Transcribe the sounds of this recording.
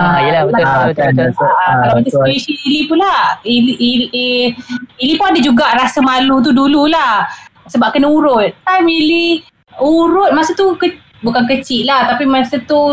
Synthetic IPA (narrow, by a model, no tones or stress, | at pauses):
aijəlabəbət̪bətalaatasesiilipunlailiʔ | ilipunadad͡ʒuɡaʔɾasəmalut̪̬udululahsəbap̚kənauɾʊt̪̚ːamili | uɾʊt̪̚masət̪ukə | bukank̬ət͡ʃiʔlaht̪apimasət̪u